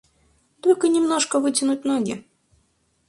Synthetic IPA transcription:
t̪olʲkənʲɪmnoʂkəvɨtʲɪnʊt̚ʲnoɡʲɪ̰

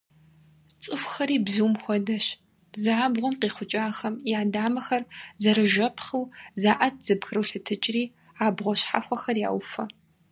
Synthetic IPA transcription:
t͡sʼɨfʷxɐɾiːbzuːmxʷɔdɐɕ | b̥zaːbʁʷʊmqiːχʷʊt͡ʃʼaːxɐmjaːdaːmɐxɐrzɐɾɨʒɐpʰχɨwzaːʔɐt̚ʰz̥ɨbxɨrɨɬɨtʰɨt͡ʃʼriː | aːbʁʷɔɕħa̰xʷɔxɐrja̰ːwfɐ

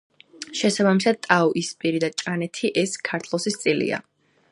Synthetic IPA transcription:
ʃɛsabamisad̪̚t̪ʼaɔʔispʼiɾid̪at͡ʃʼanɛt̪ʰiʔɛskʰaɾt̪ʰlˠɔsist̪sʼilḭa̰

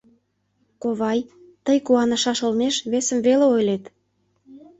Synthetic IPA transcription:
koβɑj | t̪əjkuɑnə̆ʃɑʃə̆lmeʃβesə̆mveleojlet̪

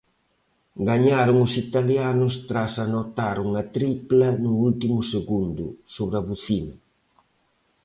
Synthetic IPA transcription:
ɡaɲaɾʊŋʊsit̪aljanʊst̪ɾasanɔt̪aɾuŋɐt̪ɾiplɐnʊult̪imʊseɣund̪ʊ̰soβɾɐβuθinɐ

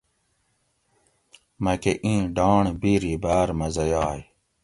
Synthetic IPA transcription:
mɐkeʔĩːɖɑːɳbiɾibæːɾmɐzɐjaːj

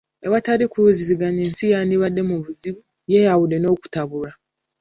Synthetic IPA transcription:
eβatalikuuziziɡaneːnsijaniβadːe̞muβuziβu | jejawude̞no̞ːku̥taβula

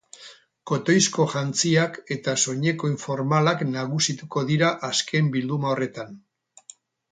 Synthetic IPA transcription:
ko̞t̪o̞jsko̞ʝant͡siake̞t̪aso̞ɲe̞ko̞iɱfo̞ɾmalaknaɣusit̪uko̞ðiɾaʔaskʰe̞mbild̪umao̞re̞t̪an

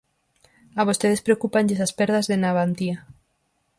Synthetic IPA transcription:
aβ̞ost̪eðespɾeokupaɲʎesaspɛɾðazðenaβant̪ia

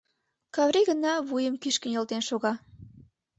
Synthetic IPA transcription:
kɑβɾiɣənɑβujəmkyʃkə̆nɤ̆lt̪enʃoɣɑ

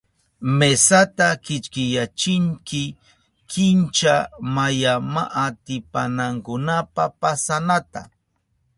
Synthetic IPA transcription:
mesat̪akɪt͡ʃkɪjat͡ʃɪŋkɪ | kʰɪnt͡ʃamajama̰ʔat̪ɪpanaŋkʊnapapasanat̪a̰

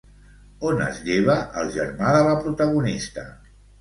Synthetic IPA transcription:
onə̰zʎeβəʔəlˠʒə̰ɾmaðələpɾut̪əɣunist̪ə̰

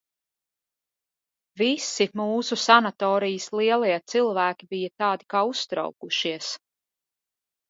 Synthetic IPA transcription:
visimuːsusanat̪ɔːɾijəslˠiɛlˠajat̪silˠvæːkʲibijɐt̪aːd̪ikaːust̪ɾa̰wkuʃiɛs

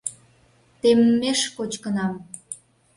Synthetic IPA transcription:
t̪emːeʃkot͡ɕkənɑm

